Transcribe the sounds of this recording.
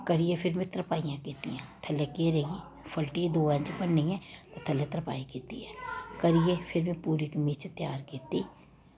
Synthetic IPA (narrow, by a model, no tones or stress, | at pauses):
kəɾɪjepʰɪɾmẽt̪ɾəpaːijãkeːt̪iɦɛ̃ːt̪ʰɐlːekeːɾeɡi | pʰəlʈid̪oːə̃nd͡ʒpənːiɛ̃ːt̪ot̪ʰɐlet̪ɾəpa̰ːikeːt̪ḭɦɛːkəɾɪjepʰɪɾmẽpuːɾikmeːt͡ʃt̪jaːɾkeːt̪iː